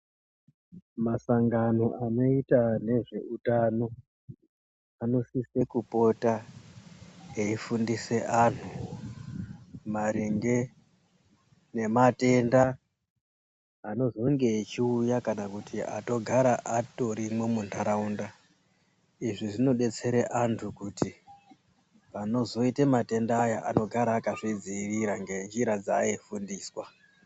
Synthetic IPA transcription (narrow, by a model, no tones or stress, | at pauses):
masaŋɡano̞ʔano̞itane̞ʐe̞utano̞ | ano̞sise̞kupo̞ta | eifundise̞ʔan̤u | maɾiŋɡe̞ | ne̞mate̞nda | ano̞zo̞ŋɡe̞ːt͡ʃiujakanakutʰia̰to̞ɡʱaɾaʔato̞ɾimwemundaɾaunda | iʐiʐino̞ɗe̞t͡se̞ɾeʔantʰukuti | pano̞zo̞itemate̞ndaːjaʔano̞ɡʱaɾaːkaʐid͡ziiʋiɾaŋɡend͡ʒiɾad͡zaifundiːswa